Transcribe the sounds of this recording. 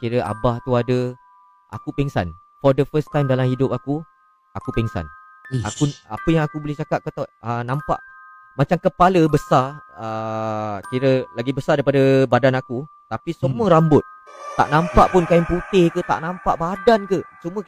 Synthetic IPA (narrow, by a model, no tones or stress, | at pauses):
kiɾəʔa̰baht̪uadə | ʔa̰kupiŋsa̰n | fɔdəfəst̪ãjmdalamhidʊpaku | akupiŋsa̰n | a̰kua̰pəjaŋakubolɪht͡ʃakaʔ̪̚kət̪ɔʔənãmpa̰ʔ | mat͡ʃamkəpaləbəsarə | kiɾəlaɡibəsaɾdaɾipadəbadanakut̪apisəmuəɾambʊt̪̚t̪ːa̰ʔnãmpaʔpʊnkaɪŋput̪ɪhkət̪a̰ʔnãmpaʔbadankət͡ʃumə